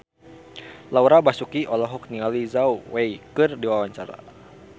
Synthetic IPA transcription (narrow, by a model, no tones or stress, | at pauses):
lauɾabasukiʔɔlɔɦɔk̚niŋalizauwejkɨrdiwawaɲt͡ʃa̰ɾa̰